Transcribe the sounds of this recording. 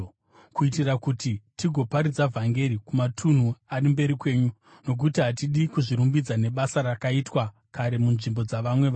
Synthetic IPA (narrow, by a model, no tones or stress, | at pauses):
kuitirakutitiɡʱo̞paɾid͡zavʱaŋɡe̞ɾikumatʰun̤uarimbe̞ɾikwe̞ːɲu | no̞k̬utiɦatiɗikuʐiɾumbid͡zane̞ɓasaɾakaitwa | kaɾe̞munʐimbo̞d͡zaʋamwe̞ʋa